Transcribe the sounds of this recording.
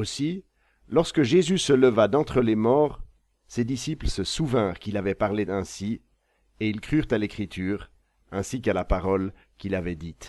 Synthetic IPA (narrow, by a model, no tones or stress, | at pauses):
osi | lɔʁskəʒezysələvad̪ɑ̃t̪χəlemɔːʁ | sed̪isiplsəsuvɛ̃ʁkilavɛpaʁleɛ̃si | eilkχyʁt̪alekχit̪ʰyːʁ | ɛ̃sikalapaʁɔl | kʲilavɛd̪it̪